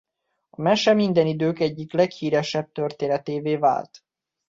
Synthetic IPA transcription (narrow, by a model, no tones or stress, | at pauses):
ɒmɛʃɛmind̪ɛnid̪øːkɛɟːiklɛkhiːɾɛʃɛb̚t̪ørt̪eːnɛt̪eːveːva̰ːlt̪